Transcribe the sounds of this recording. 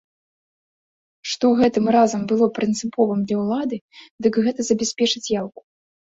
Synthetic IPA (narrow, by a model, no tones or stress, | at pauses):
ʂt̪ɔɣɛt̪ɨmrazɐmbɨlˠɔpɾɨnt̪sɨpɔvɨmd̪lʲɐwlˠad̪ɨd̪ɨkɣɛt̪ɐzɐbʲɛsʲpʲɛt͡ʂɨt͡sʲjawku̥